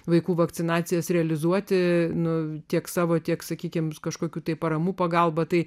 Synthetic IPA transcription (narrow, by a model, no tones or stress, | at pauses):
ʋɐɪkuːʋɐkt̪sʲɪnɑːt̪sʲɪjɛsɾʲɛɐlʲɪzuɔt̪ʲɪnʊt̪ʲiɛksɑːʋoːt̪ʲiɛksɐkʲiːkʲɪmkɐʃkoːkʲuːt̪ɐɪpɐɾɐmuːpɐɡɑlˠbɐt̪ɐɪ